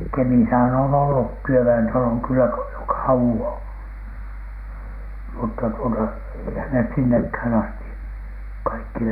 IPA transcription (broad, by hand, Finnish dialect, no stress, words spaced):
kemisæhæn on olːu tyøʋæentɑloŋ̆ kylːæ ko jo kɑuwon̥ mutːɑ tuotɑ eihæn nes sinːekhæn ɑsti kɑikːi